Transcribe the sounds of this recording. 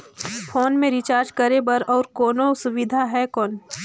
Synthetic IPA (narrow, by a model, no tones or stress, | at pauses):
fʰoːnmẽɾɪt͡ʃaːɾd͡ʒkəɾebəɾɔːɾkɔːnosʊʋɪd̪ʱaɦɛkɔːn